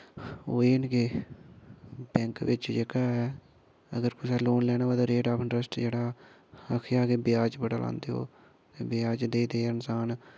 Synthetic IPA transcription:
oːeːnkeː | bɛ̃ːŋkʋɪt͡ʃd͡ʒekaːɛː | ə̰ɡəɾkʊsaːloːnlɛːnaːaːt̪aːɾeːʈaːpʰɪɳʈɾəsʈd͡ʒeːɽaː | əkʰjaːɡeːbɪjaːt͡ʃbəɽaːlã̰ːnd̪eːɦo̰ː | t̪eːbɪjaːt͡ʃd̪eːd̪eːɪnsaːn

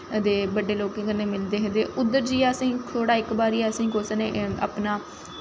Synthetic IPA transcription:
d̪eːbəɖeːloːkẽːkənːẽːmɪld̪eːɦẽnd̪eːʔʊd̪ːəɾd͡ʒiːaːəsĩːkʰoːɽaːɪkbaːɾiːaːəsĩːkoːsneːa̰ːpnaː

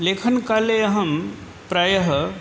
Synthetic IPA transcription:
leːkʰənkaleɐɦɐm | pɾaːjɐɦ

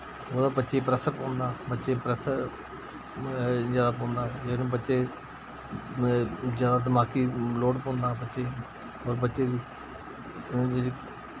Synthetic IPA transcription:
oːd̪aːbətːʃeːiːpɾəsəɾpõːnd̪aːbətːʃeːpɾəsə | d͡ʒjaːd̪aːpõːnd̪aːɦd͡ʒeːnũːbətːʃeː | zjaːd̪aːd̪əmaːkiːloːɽpõːnd̪aːbətːʃeː | ɦoːɾbətːʃeːd̪iː | i

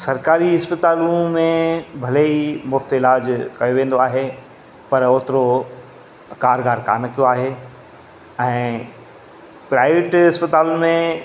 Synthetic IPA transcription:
sɐɾkaːɾiɪspət̪aːlũmẽbʱɐleimʊft̪ɪlaːd͡ʑkɐjoʋẽːn̆d̪oaːɦe | pɐɾoːt̪ɪɾo | kaːɾɡaːɾka̰ːnkijoaːɦe | ɛ̃ː | pɾaːɪʋeʈɪspət̪aːlmẽ

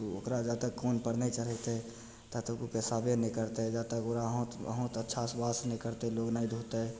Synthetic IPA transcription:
t̪oo̰kɾad͡ʒat̪əkːoːnpəɾnəit͡ʃəɾət̪e | t̪at̪əkukesabjenekəɾt̪eɛd͡ʒat̪əkoɾaɦõt̪ə̰ɦõt̪ətːʃʰasbasnɛ̃kəɾt̪eloːɡnaid̪ʱut̪eɛ

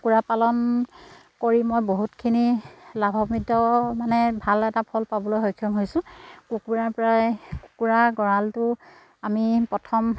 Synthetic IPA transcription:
kuɹapalɔn | koɹimɔjboɦutkʰinilabʱɔmidɔmanɛbʱalɛtapʰɔlpabɔlojɦojkʰːɔmɦojsʊ̃kukuɹaɹpɔɹajku̥kuɹaɡɔɹaltʊ | amipɹɔtʰɔm

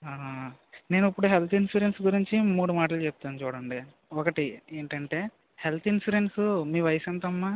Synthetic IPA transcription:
aːne̞ːnuipːuɽuɦelt̪ʰinsuːɾensɡuɾiɲt͡ʃimuːɽumaːʈ̬ɐlut͡ʃɛp̚t̪aːnut͡ʃuːɽɐɳɖi | ɔkɐʈieːɳʈɐɳʈe̞ː | helt̪ʰinsuɾensumiːʋɐjsɐnt̪ɐmːa

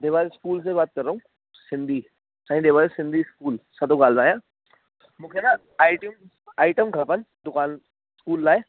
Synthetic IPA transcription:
d̪eːbaːeskuːls̬ebaːt̪̚kɐɾːɐɦũ | sɪ̃nd̪ʱi | saːɦĩd̪eːʋaːjesɪ̃nd̪ʱiskuːlsɐt̪õɡaːlzaːjã | mʊkʰena | aːɪʈjum | aːɪʈəmkʰapənd̪ʊkaːn | skuːlːlaːe

